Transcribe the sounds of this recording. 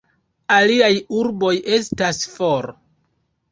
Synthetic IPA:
aliajuɾbo̞je̞stasfoɾ

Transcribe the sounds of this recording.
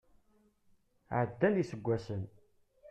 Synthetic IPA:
ʕəd̪ːænisəɡʷːæsən

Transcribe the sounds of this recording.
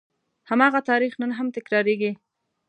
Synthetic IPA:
hamɑɣat̪ɑɾixnənɦamt̪ɪkɾɑɾeɡi

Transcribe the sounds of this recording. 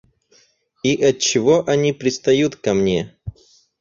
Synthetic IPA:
iʔɐt̚t͡ɕːɪvoʔɐnʲipɾʲɪst̪ɐjut̪kɐmnʲḛ

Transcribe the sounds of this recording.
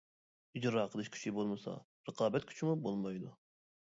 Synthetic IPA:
id͡ʒɾɑːqʰəlˠɨʃkʲʰi̥ʃʰibolˠmɨsɑ̰ | ɾəqʰɑːbɛt̪kʲʰy̥t͡ʃʰimubolˠmɑjd̪u

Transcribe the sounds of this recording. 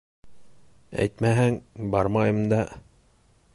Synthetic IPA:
æ̰jt̪mæɦæŋbɑɾmɑjɤ̆md̪ɑ

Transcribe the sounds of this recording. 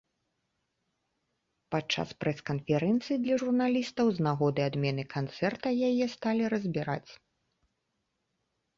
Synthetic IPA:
pat͡ʂːa̰spɾɛskɐnfʲɛɾɛnt̪sɨjid̪lʲɐʐurnalʲist̪ɐwznaɣɔd̪ɨad̪mʲɛnɨkʰant̪sɛrt̪ɐjajɛst̪alʲiɾɐzʲbʲiɾa̰t͡sʲ

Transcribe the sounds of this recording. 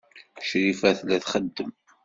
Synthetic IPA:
ʃɾifæθlæθχəd̪ːəm

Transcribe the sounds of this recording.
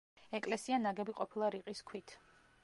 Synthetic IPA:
ɛkʼlɛsianaɡɛbiqʼɔpʰilˠaɾiqʼiskʰwit̪ʰ

